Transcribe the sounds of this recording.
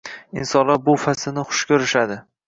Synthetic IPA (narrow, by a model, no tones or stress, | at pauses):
ɪ̰nsɒnlaɾbʊfasɪnɪχʊ̥ʃkʲʰɵɾɪʃad̪ɪ